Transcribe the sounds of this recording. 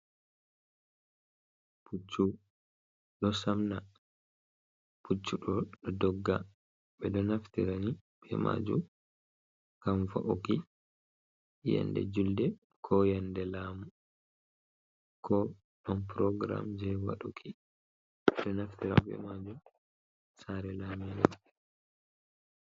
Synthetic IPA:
put͡ʃːu | ɗɔsamna | put͡ʃːuɗɔɗɔdɔɡːa | ɓɛdɔnaftiɾanib̥ɛ̰ma̰d͡ʒṵm | kamfaʔuki | ja̰ndɛ̰d͡ʒuldɛ | kʰɔjandɛlaːmu | kʰɔ | ɗɔnpɾɔɡɾa̰md͡ʒɛwa̰ɗukʰi | ɛɗɔnaftiɾa̰nɓɛ̰mad͡ʒum | saɾɛlaminɛ

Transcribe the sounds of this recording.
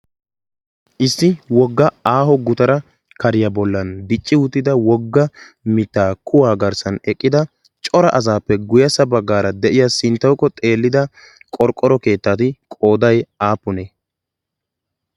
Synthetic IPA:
ʔɪsːɪwɔɡːɐaːhɔɡʊt̪ɐɾɐ | kɐɾɪjɐbɔlːɐnd̪ɪt͡ʃʼːɪʊt̪ːɪd̪ɐwɔɡːɐ | mɪt̪ːaːkʰʊwaːɡɐɾsɐnɛkʼːɪd̪ɐ | t͡ʃʼɔɾɐʔɐzaːpːɛɡʊjɐsɐbɐɡːaːɾɐd̪ɛʔɪjasɪnt̪ːɐwkːɔt̪ʼe̞ːlːɪd̪ɐ | kʼɔɾkʼːɔɾɔke̞ːt̪ːaːt̪ɪkʼo̞ːd̪ɐjaːpːʊneː

